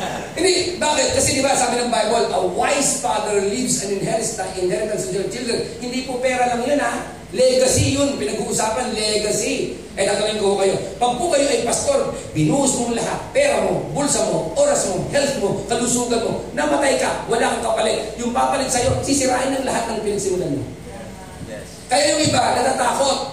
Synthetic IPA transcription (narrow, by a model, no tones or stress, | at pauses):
hɪnd̪ibaːkɪt̪̚kɐsɛd̪ɪbasaːbɪnɐŋbajbolʔɐwajsfad̪ɛɹlivsɐnɪnhɛɾɪst̪aʔɪnhɛɾt̪ɐnsɛnd͡ʒɛt͡ʃɪld̪ɛnhɪnd̪ipopɛːɾɐlaŋjona | lɛɡɐsijʊnpɪnɐɡuʔʊsaːpɐnlɛɡɐsi | ʔɐjnɐɡɐlɪnkohokɐjo̞pɐɡ̚pʊkɐjoʔɐjpask̪oɾ | bɪnuːʔʊsmoŋlɐɦat̪̚pɛːɾɐmobʊlsɐmoʔoːɾɐsmohɛlt̪̚mokɐlusuːɡɐnmonɐmɐt̪ajkawɐlaŋkɐpɐlɛt̪̚jʊŋpapɐlɛɡsɐjosɪsɪɾaːʔɪnɐŋlɐɦat̪̚nɐŋpɪnɐɡ̚sɪmʊlanmo̰ | kɐjajʊŋʔɪbanɐt̪aːt̪aːkot̪̚